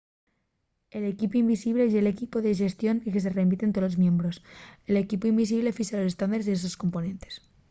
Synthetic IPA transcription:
e̞le̞kipoimbisiβlezele̞kipoðeʝ̬e̞st̪jo̞nkes̬erembit̪e̞nt̪ooomje̞mbɾo̞sele̞kipoimbis̬iβle̞fisalosest̪and̪aɾezies̬osko̞mpo̞nẽnt̪e̥s

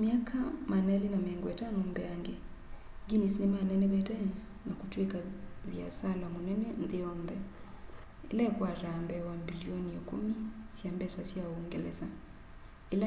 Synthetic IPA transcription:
mjakʰamanɛlenamɛŋɡwɛtanombɛaŋɡe | ɡinisinemanɛnɛβɛtɛ | nʔakotwekaβja̰salwamonɛnɛnðejɔnðɛ | elɛkwaɾaːmbɛwambiliɔniɔkomisjambɛsasjaoːŋɡɛlɛsa | ela

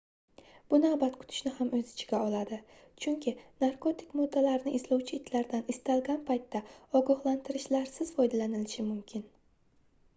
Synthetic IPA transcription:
b̥ʊnawbat̪kʰʊ̥t̪ʰɪ̥ʃnɪhamɵzɪt͡ʃʰɪ̥ɡʲaɒlad̪ɪ | t͡ʃʰʊŋkʲʰɪnaɾko̞t̪ʰɪ̥kʲmod̪ːalaɾɪnɪʔɪzlawt͡ʃʰɪːt̪ʰlaɾd̪anɪst̪alˠɡʲanpʰajt̪ʰːaɒɡɒhlˠant̪ʰɪɾɪʃlaɾsɪzfɒjd̪alanɪlɪʃɪmʊmkʲʰɪn

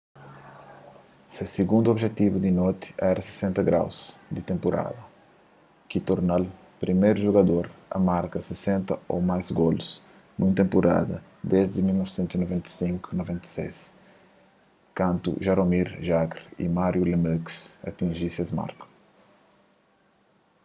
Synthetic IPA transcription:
sesiɡũnd̪uobʒet̪ivud̪inot̪i̥ɛɾɐse̥sẽnt̪ɐɡɾa̰wzd̪it̪ẽmpoɾa̰d̪ɐ | kit̪oɾnal | pɾimejɾuʒuɣɐd̪oɾɐ̰maɾkɐsesẽnt̪ɐo̰majzɡols | nũt̪ẽmpuɾʔa̰d̪ɐ̰ | d̪ezd̪imilnɔvsẽnt̪uzinovẽnt̪ɐ̥sĩŋkunovẽnt̪ɐ̥sḛjs | kɐ̃nt̪ṵʒɐɾomiɾʒakɾḭmaɾjulemɛksɐ̰t̪ĩnʒisɐzma̰ɾkɐ̥

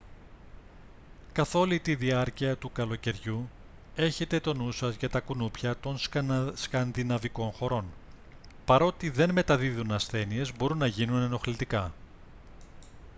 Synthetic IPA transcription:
kɐθo̞lit̪iðiɐɾciɐt̪ukɐlo̞ce̞ɾʝu | e̞çe̞t̪e̞t̪o̞nusɐzʝɐt̪ɐkunupçɐt̪o̞nskskɐnd̪inɐviko̞nxo̞ɾo̞n | pɐɾo̞t̪iðe̞nme̞t̪ɐðiðunɐsθe̞nie̞zbo̞ɾunːɐʝinuneno̞xlit̪ikɐ

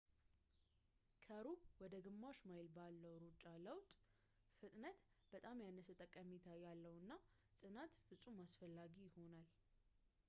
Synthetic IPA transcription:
kʰəɾubwɔd̪əɡɨmːaʃmajlbalːəwɾut͡ʃʼaləwt̪ʼ | fɨt̪ʼnət̪ | b̥ət̪ʼamjanːəsət̪ʼəkʼːəmit̪ʰajalːəwɨnːa | sʼɨnat̪fɨsʼumasfəlːaɡijɪho̞nal

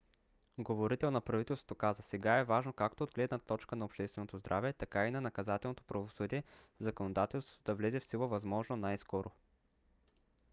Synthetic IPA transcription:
ɡovoɾit̪ɛlˠnɐpɾɐvit̪ɛlˠst̪vo̥t̪okazəsɛɡaɛvaʒnokakt̪oːd̪ɡlɛd̪nət̪ɔt͡ʃkənɐopʃt̪ɛst̪vɛnot̪ozd̪ɾʔavɛt̪ɐkainɐnɐkɐzat̪ɛlˠnot̪o̥pɾɐvosɤd̪iɛvzɐkonod̪at̪ɛlˠst̪vot̪od̪ɐvlɛzɛfsilˠəvɐzmɔʒnonajskɔɾʔo

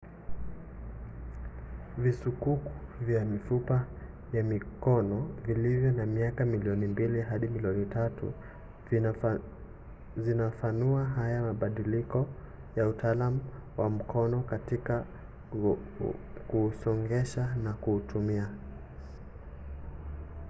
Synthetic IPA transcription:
visukuku̥vjamifupa | vjamikɔnɔvilivjɔnamiakamiliɔnimbiliɦaɗimiliɔnitatṵ | zinafanuaɦajamaɓaɗilikɔ | jautʰalamuwam̩kʰɔnɔkatika | kusɔŋɡɛʃanakuːtʰumia

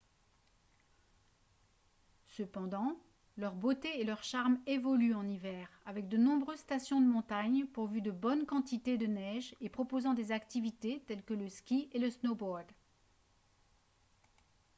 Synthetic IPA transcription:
səpɑ̃d̪ɑ̃ | lœʁbot̪eːlœʁʃaʁmevɔlyɑ̃nivɛʁavɛk̚d̪ənɔ̃bʁøzst̪asjɔ̃d̪əmɔ̃t̪aɲpuʁvyd̪əbɔnkɑ̃t̪it̪ed̪ənɛʒepχɔpozɑ̃d̪ezakt̪ivit̪et̪ɛlkələskʲiʔeləsnobɔʁd̪

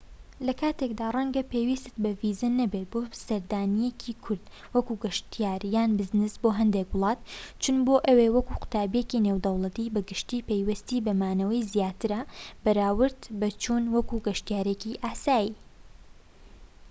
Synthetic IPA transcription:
lɐkʰaːt̪ek̚d̪aːrˤɐŋɡɐpewist̪ɨ̥t̪̚bɐviːzɐnɐbet̪̚boːsɐɾd̪aːnijekʰiːkʰʊɾd̪ | wɐkuɡɐʃt̪ijaːɾjaːnbɨznɨzboːɦɐnd̪ekbʊlˠɑːt̪t͡ʃʊnboːʔɐwewɐkuqʊ̥t̪ʰaːbijekinewd̪ɐwlˠɐt̪ibɐɡɨʃt̪iːpejwɐst̪iːbɐmaːnɐwɐjzijaːt̪ʰɨɾɐbɐɾaːwɨɾd̪bɐt͡ʃuːnwɐkuɡɐʃt̪ijaːɾekiʔaːsaːjiː

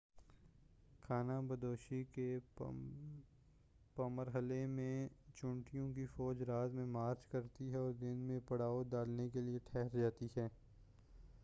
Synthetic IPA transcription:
kʰaːnabɐd̪oːʃike | pəməɾɦəlemẽt͡ʃʊ̃ɳʈijõkifɔːd͡ʒɾaːt̪mẽmaːɾt͡ʃkɐɾt̪iɦɛɔːɾd̪ɪnmẽpɐɽaːod̪aːlnekelieʈʰɛːɦɾd͡ʒaːt̪iɦɛː

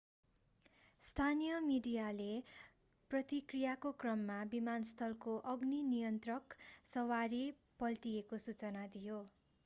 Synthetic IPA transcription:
st̪ʰanijʌmiɖijale | prʌt̪ikrijakokrʌmːabimanst̪ʰʌlkoʔʌɡninijʌnt̪rʌksʌwaɾi | pʌlʈijekosut͡sʌnad̪ijo

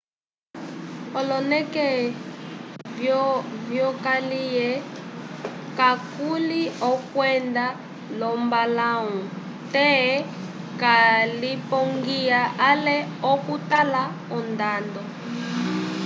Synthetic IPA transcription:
ɔlɔnɛkɛ | vjvjɔkalijɛ | kakuliɔkwɛnda | lɔmbalaũ | tɛ | kalipɔŋɡiaʔalɛɔkutala | ɔndaːndɔ

